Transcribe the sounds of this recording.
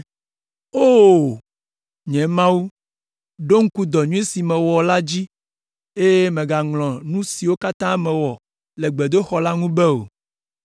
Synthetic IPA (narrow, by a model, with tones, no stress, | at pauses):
o˦˨ | ɲɛ̃˨mã˦wu˦ | ɖo˦ŋ̩˦ku˦d̪ɔ˨ɲũ˦e˦si˨mɛ̃˨wɔ˨la˦d͡ʑi˦ | e˦je˦mẽ˨ɡa˨ŋlɔ̃˨nũ˦si˨wo˦ka˦t̪ã˦mɛ̃˨wɔ˨ | lɛ˨ɡ͡bɛ˨d̪o˦xɔ˨la˦ŋũ˦bɛ˦o̰˨